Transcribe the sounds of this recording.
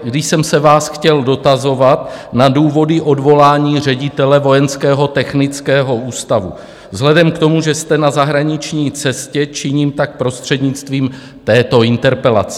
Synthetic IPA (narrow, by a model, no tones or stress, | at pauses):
ɡdɪʃsɛmsɛvaːsxcɛldo̞t̪azo̞vat̪naduːvo̞dɪʔo̞dvo̞laːɲiːr̝ɛɟɪt̪ɛlɛvo̞jɛnskɛːɦo̞t̪ɛxnɪt͡skɛːɦo̞ʔuːst̪avṵ | vzɦlɛdɛmkt̪o̞muʒɛst̪ɛnazaɦɾaɲɪt͡ʃɲiːt͡sɛscɛt͡ʃɪɲiːmt̪ak̚pɾo̞st̪r̥ɛdɲɪt͡st̪viːm | t̪ɛːt̪o̞ɪnt̪ɛɾpɛla̰t͡sɛ̥